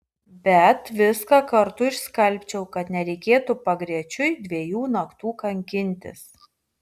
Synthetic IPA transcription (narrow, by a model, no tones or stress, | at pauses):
bʲɛt̪ʋʲɪskɑkɐɾt̪ʊɪʃskɐlʲˑpʲt͡ʃʲɛʊkɐt̪nʲɛɾʲɛɪkʲeːt̪upɐɡɾʲiɛt͡ʃʲʊɪd̪ʲʋʲiɛjuːnɐkt̪uːkɐŋʲkʲɪnʲt̪ʲɪ̰s